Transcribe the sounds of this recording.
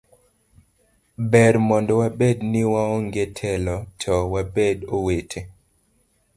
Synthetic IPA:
bɛrmɔndɔwabednɪwaoŋɡetʰɛlɔtʰɔwabedowetʰe

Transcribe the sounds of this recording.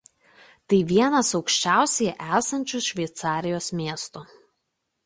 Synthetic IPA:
t̪ɐɪʋʲiɛnɐsɒʊkʃʲt͡ʃʲæˑʊsʲɛjɛʔæːsɐnʲt͡ʃʲʊsʃʲʋʲɛɪt̪sɑːɾʲɪjoːsmʲiɛst̪ʊ

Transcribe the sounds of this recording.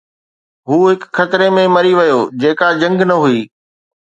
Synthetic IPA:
ɦuːɦɪkxɐt̪ɪɾemẽmɐɾiʋɐjoːd͡ʑeːkad͡ʑɐ̃ŋɡnɐɦuiː

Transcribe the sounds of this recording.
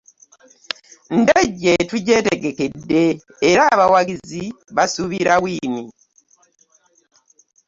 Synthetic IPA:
ndaɟːetuɟe̞teɡe̞ke̞dːe̞ː | ɾaːβawaɡizi | βasuβiɾawiːni

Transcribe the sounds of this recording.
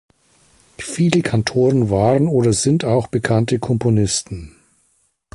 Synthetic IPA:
fiːləkʰantʰoːʁənvaːʁənoːdɐzɪntaʊxb̥əkʰantəkʰɔmponɪstn̩

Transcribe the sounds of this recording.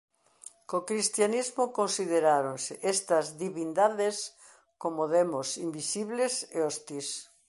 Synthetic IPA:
kokɾist̪janizmokonsiðeɾaɾonsɪʔest̪ɐzðiβind̪aðes | komoðemosimbisiβleseost̪is

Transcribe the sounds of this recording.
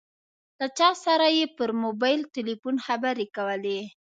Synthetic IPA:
lat͡ʃɑsaɾajepəɾmobɑjlt̪ɪlifunxabaɾekawəle

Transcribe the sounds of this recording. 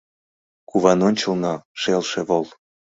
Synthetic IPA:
kuβɑnonʲt͡ɕəlnɑʃelʃeβolˠ

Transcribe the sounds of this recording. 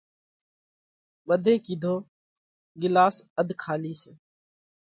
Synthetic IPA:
ɓəd̪ʱẽːkiːd̪ʱoː | ɡɪlaːsəd̪ʱkʰaːliːseː

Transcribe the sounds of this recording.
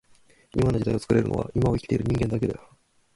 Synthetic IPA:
imano̞d͡ʑit̪ajo̞t͡sɨ̥kɯɾe̞ɾɯ̟no̰βa̰imaoikʲit̪e̞iɾɯ̟ɲ̟ĩŋɡe̞nd̪ake̞d̪ea

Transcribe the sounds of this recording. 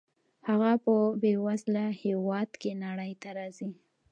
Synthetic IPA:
haɣapəbewazlahewɑd̪kenaɽəjt̪aɾɑzi

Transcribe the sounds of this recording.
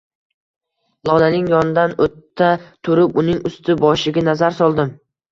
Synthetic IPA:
lˠɒnanɪŋjɒnɪd̪anot̪ʰːat̪ʰʊɾɪpʊnɪŋʊst̪ʰɪbɒʃɪɡʲanazaɾsɒlˠd̪ɪm

